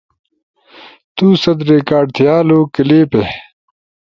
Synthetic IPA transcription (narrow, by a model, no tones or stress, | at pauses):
t̪uːsɐd̪ɾekaːɖt̪ʰijaːloːkileːpe